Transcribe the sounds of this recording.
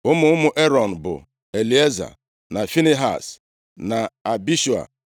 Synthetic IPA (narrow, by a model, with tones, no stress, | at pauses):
ʊ˦mʊ˦ʊ˦mʊ˦ʔe˦ɾɔ˨n̩˨bʊ̰˨ | e˨li˨e˦za̰˨ | na˨fi˦ne˦ɦa̰˨s | na˨a˨bi˦ʃu˨a̰˨